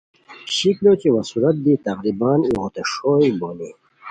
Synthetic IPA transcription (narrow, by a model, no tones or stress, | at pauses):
ɕiklot͡ɕiwɐsuɾɐt̪̚d̪it̪ɐɣɾibɑːniɣot̪eʂoibole